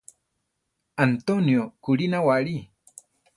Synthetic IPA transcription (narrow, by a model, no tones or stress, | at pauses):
ant̪onjokuɾinawaɾi